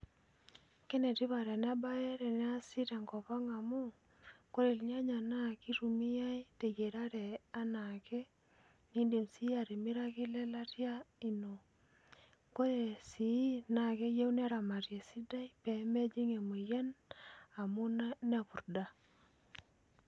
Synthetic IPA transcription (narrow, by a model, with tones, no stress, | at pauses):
ke˦ne˨ti˦βa˨ɾe˨n˦a˦ba˦jɛ˦ɾɛ˨nɛ˦a˦si˦te˨ŋkɔ˨pa˦ŋa˨mu˦ | ko˦ɾe˨lɲa˦ɲa˨na˦ki˦ɾu˨mi˦ja˦i˦te˨ɡe˨ɾa˦ɾe˨a˦na˨ke˦ | ni˦nde˨msi˦a˨ɾi˨mi˦ɾa˦kɪ˦lɛ˦la˦tja˦i˨no˨ | ko˦ɾe˨si˨˦na˨ke˦je˦u˦n˦a˦ɾa˨ma˨tje˨si˦da˦i˦pɛ˨˦me˦d͡ʒi˦ŋe˨mo˨jɛ˦na˨mu˦na˦n˦a˦˨pu˨ɾda˦